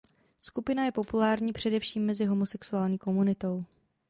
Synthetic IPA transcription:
skupɪnajɛpo̞pulaːɾɲiːpr̝̥ɛdɛfʃiːmːɛzɪɦo̞mo̞sɛksuaːlɲiːko̞munɪt̪o̞w

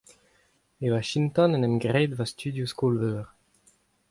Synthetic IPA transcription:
ewaʃint̪ɔ̃nɛnɛmɡʁed̪vast̪ʰyd̪juskolvøːʁ

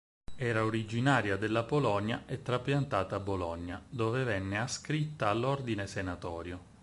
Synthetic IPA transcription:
ɛːɾaoɾid͡ʒinaːɾjad̪elːapolɔɲjaʔet̪ːɾapjant̪aːt̪aːbːolɔɲːad̪oːvevɛnːeaskɾit̪ːaːlːord̪inesenat̪ɔːɾjo

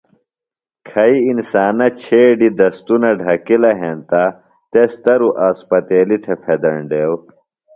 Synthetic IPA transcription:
kʰɐiinsaːnɐt͡ɕʰeːɖid̪ɐst̪unɐɖʱɐkilɐɦent̪a | t̪est̪ɐɾuʔaːspɐt̪eːlit̪ʰepʰed̪ɐɳɖeːw

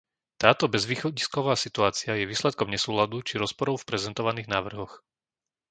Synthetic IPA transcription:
t̪aːt̪ɔbɛzʋiːxɔɟiskɔʋaːsit̪uaːt͡sɪajɛʋiːslɛt̪̚kɔmɲɛsuːlad̪ut͡ʃiɾɔspɔɾɔʊfpɾɛzɛnt̪ɔʋaniːɣnaːʋr̩ɦɔx

